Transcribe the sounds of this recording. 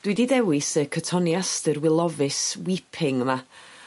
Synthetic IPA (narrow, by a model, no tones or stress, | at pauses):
d̥wɨdidɛwɪsəkʰətʰɔnjastərwɪlˠɔvɨswipʰɪŋma